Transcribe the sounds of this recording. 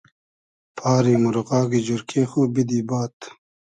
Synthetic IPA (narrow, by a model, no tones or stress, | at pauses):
pʰaːɾiːmuɾoɣɑːɡid͡ʑuɾkʰeːxoːbid̪iːbaːt̪